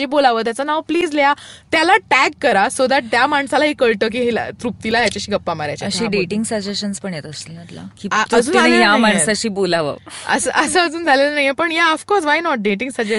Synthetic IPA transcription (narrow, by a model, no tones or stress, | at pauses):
ibolaʋəːt̪jat͡sənaʋpliːd͡zljat̪jalaʈæɡ̚kəɾasod̪aʈ̪̚t̪jamaɳsalaɦiːkəɭʈəːk̬iːɦel̰t̪ɾup̚t̪ilajat͡ɕaɕiːɡəpːamaɾjat͡ɕaəɕĩɖeʈiŋɡsəd͡ʑeɕənspəɳjet̪əslĩət̪la̰kiːt̪əud͡zuːnɦjamaɳsaɕiːbolaʋə̰ə̰səʔəsəəd͡zuːnd͡zʱalelənaɦjepəɳjaəfkɔɾsʋajnɔʈ̚ɖeʈĩŋɡsəd͡ʑe